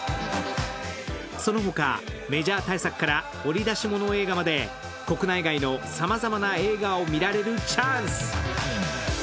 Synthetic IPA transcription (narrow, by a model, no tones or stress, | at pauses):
so̞no̞ɦo̞ka̰me̞ʑaːt̪aisakɯ̥kːaɾa | o̞ɾʲid̪aɕimo̞no̞e̞ːɡamad̪e̞ | ko̞kɯ̟naiɡaino̞samazamanae̞ːɡaomʲiɾaɾe̞ɾɯ̟t͡ɕaːɰ̃sɨ̥